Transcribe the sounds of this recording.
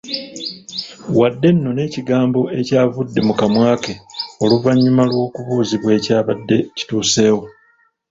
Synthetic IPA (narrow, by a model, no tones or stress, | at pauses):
wadːe̞nːo̞ne̞ːciɡaːmbo̞e̞caːvudːe̞mukamwaːkeo̞luvaɲːumalwo̞ːkuβuːziβwe̞ːcaːβadːe̞ci̥tuːse̞ːwo